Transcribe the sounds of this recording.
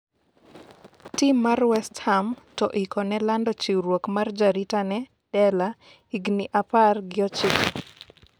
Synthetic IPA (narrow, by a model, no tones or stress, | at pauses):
timːarwɛsthamtɔʔikɔnɛlandɔt͡ʃiwɾwokmard͡ʒaɾitanɛ | d̥ɛla | iɡniʔaparɡɪɔt͡ʃɪk